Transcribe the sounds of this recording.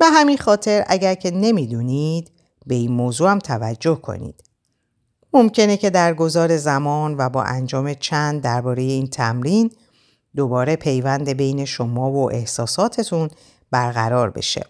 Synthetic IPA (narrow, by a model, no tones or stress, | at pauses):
b̥eɦæminxɒːt̪ʰe̞ɾæ̰ɟæɾcʰe̞ne̞mid̪uːnid̪ | be̞iːnmoːzuːæmt̪ʰævæd͡ʒːo̞hkʰo̰nḭːd̪̥ | mo̞mcʰe̞ne̞cʰe̞d̪æɾɡo̞zɒːɾe̞zæmɒːnvæbɒ̰ːʔænd͡ʒɒːme̞t͡ʃʰænd̪̚ːæɾbɒːɾe̞je̞iːnt̪ʰæmɾin | d̪o̞bɒːɾe̞pʰe̞jvænd̪e̞be̞jne̞ʃomɒːvoʔe̞hsɒːsɒːt̪ʰe̞t̪ʰun | b̥æɾɣæ̰ɾɒːɾbe̞̰ʃḛ